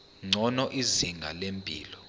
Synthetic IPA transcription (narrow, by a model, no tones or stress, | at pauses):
ŋ͡ǀʱɔnɔʔiziŋɡʱa̰lempʼḭːlɔ